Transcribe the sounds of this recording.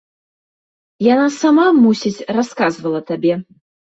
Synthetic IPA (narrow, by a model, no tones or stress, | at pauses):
janasamamusʲit͡sʲraskazvɐlˠɐt̪abʲɛ